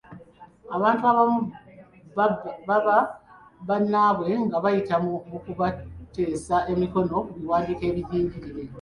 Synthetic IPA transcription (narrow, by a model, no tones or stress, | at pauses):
aβaːntuaβamu | aβanːaːβwe̞ŋɡaβajitamuokuβate̞ːsae̞miko̞no̞uβiwaːndiːke̞ːβiɟiːɲɟiɾiɾe̞